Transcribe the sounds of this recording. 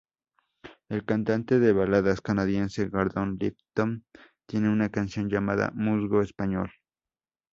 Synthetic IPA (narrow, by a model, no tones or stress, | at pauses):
elkant̪ant̪eðeβalaðaskanaðjenseɣaɾðonlḭpt̪omt̪je̞neunakansjo̞nd͡ʒamaða̰muzɣoespaɲo̰l